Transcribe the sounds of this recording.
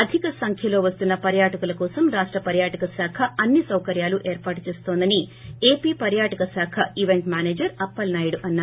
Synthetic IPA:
ɐd̪ʱikɐsɐŋkʰjɐlo̞ːʋɐst̪unːɐpɐɾjaːʈɐkulɐkɔːsɐmɾaːʂʈɾɐpɐɾjaːʈɐkɐsaːkʰɐɐnːisɐwkɐɾjaːluʔeːɾpaːʈut͡ʃeːst̪oːnd̪ɐnieːpiːpɐɾjaːʈɐkɐsaːkʰɐiʋeɳʈmʲaːneːd͡ʒɐɾɐpːɐlnɐːjɽuʔɐnːaː

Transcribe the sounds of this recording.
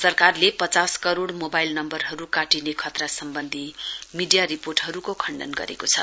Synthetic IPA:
sʌrkarlepʌt͡saskʌɾoɽmobajlnʌmbʌrɦʌɾukaʈinekʰʌt̪rasʌmbʌnd̪ʱimiɖijaɾiporʈɦʌɾukokʰʌɳɖʌ̰nɡʌ̰ɾḛkot͡sʰʌ̰

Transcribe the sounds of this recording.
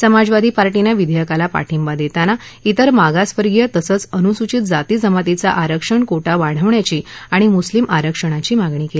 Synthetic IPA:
səmad͡zʋad̪ʱiːpaɾʈinjaʋid̪ʱjəkalapa̰ʈʰimbad̪et̪anait̪əɾmaɡaspəɾɡjət̪əsət͡sənusut͡ɕit̪̚d͡zat̪iːd͡zəmat̪it͡sa̰ʔaɾəkʂəɳkoʈaʋaɽ̤əʋɳjat͡ɕiːaɽ̃imuslimaɾəkʂəɽ̃at͡ɕiːmaɡɳ̃iːkeli

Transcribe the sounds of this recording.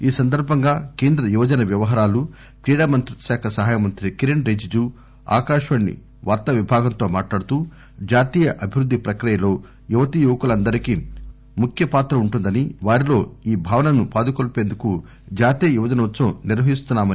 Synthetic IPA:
iːsɐnd̪ɐɾbʱɐŋɡaːke̞ːnd̪ɾɐjuʋɐd͡ʒɐnɐʋjɐʋɐɦɐːɾaːlu | kɾiːɽaːmɐnt̪ɾiɐʃaːkʰɐsɐɦaːjɐmɐnt̪ɾikiɾeɳɾeːd͡ʒid͡ʒuː | a̰ːkaːʂʋɐɳːḭ | ʋaːɾt̪ɐʋibʱaːɡɐnt̪o̞ːmaːʈlaːɽut̪uː | d͡ʒaːt̪iːjɐʔɐbʱiʋɾud̪ʱːipɾɐkɾijɐlo̞ː | juʋɐt̪ijuʋɐkulɐnd̪ɐɾiki | mukʰjɐpaːt̪ɾɐuɳʈund̪ɐniʋaːɾilo̞ːiːbʱaːʋɐnɐnupaːd̪ukolpe̞ːnd̪uku | d͡ʒaːt̪ijɐjuʋɐd͡ʒɐnɐʋɐt̪ːsɐmniɾʋɐɦist̪unːaːmɐn

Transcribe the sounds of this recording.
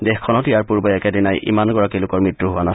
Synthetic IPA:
dexkʰːɔnɔtijaɹpuɹbɔɛkɛdinajʔḭmanɡɔɹakilʊkɔɹmɹitɹuɦʊana

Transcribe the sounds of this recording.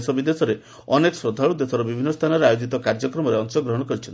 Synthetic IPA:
sɔbid̪esɔɾe | ɔneksɾɔd̪ʱaɭud̪esɔɾɔbibʱinːɔst̪ʰanɔɾeajod͡ʒit̪ɔkaɾd͡ʒɔkɾɔmɔɾeɔŋsɔɡɾɔɦɔɽ̃ɔkɔɾit͡ʃʰɔn

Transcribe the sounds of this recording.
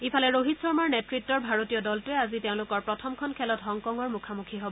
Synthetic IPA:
ipʰalɛɹoɦitsɔɹmaɹnetɹitːɔɹbʱaɹotijɔdɔltʊɛaziteʊ̃lʊkɔɹpɹɔtʰɔmkʰɔnkʰɛlɔtɦɔŋkɔŋɔɹmukʰamukʰiɦobɔ

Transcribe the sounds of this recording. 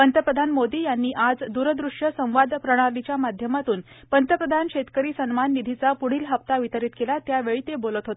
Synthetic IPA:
pənt̪əpɾəd̪ʱanmod̪iːjanːiːʔad͡zd̪uɾəd̪ɾuʂjəsə̃w̃ʋad̪pɾəɽ̃aɾlit͡ɕjamad̪ʱjəmat̪uːn | pənt̪əpɾəd̪ʱankɕet̪kəɾiːsənmanːid̪ʱit͡sapuɽ̤iːlɦəp̚t̪aʋit̪əɾiːt̪kelat̪jaʋeɭiːt̪ebolət̪ɦot̪

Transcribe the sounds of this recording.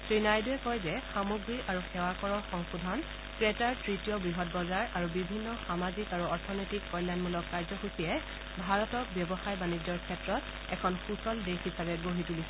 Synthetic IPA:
tɹinajduɛkɔjzɛxamuɡɹiaɹuxɛwakɔɹɔɹxɔŋsudʱan | kɹɛtaɹtɹitijɔbɹiɦɔt̚bɔzaɹaɹubibʱinːɔxamazikaɹuɔɹtʰɔnɔjtikːɔjljanmulɔkːaɹzɔxusijɛ | bʱaɹɔtɔk̚bjɔbɔxajbanid͡ʒɔɹkʰɛtɹɔt | ɛ̰kʰɔnxusɔldexisabɛɡoɦituli

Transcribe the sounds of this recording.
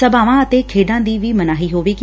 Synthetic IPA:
ɐbaːʋãɐt̪ekʰeːɗãːnd̪iːʋimɐnaːɦiɦoːʋik

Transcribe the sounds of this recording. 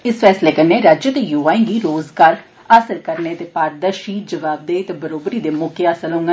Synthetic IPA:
ɪsfɛːsleːkənːeːɾaːd͡ʒət̪eːjuːaːĩːɡiːɾoːzɡaːɾ | əsəɾkəɾneːt̪eːpaːɾd̪əʃiːd͡ʒəʋaːb̚d̪eːt̪ebəɾoːbɾiːd̪eːmoːkeːəsəlɦʊ̃ŋɡɛː

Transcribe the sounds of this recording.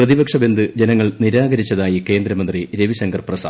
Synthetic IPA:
rɐðibɐkʂɐbe̞nd̪ɨd͡ʑenɐŋːɐɭniɾaːɡɐɾit͡ɕːɐðaːjike̞ːnd̪ɾɐmɐnd̪riɾeʋiɕɐŋɡɐrprɐsaː

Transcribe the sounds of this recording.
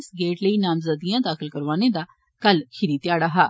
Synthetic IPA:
sɡeːʈləiːnaːmzəd̪ijãːd̪aːxəlkəɾʋaːneːd̪aː | kəlkʰɪɾiːt̪jaːɽaːɦaː

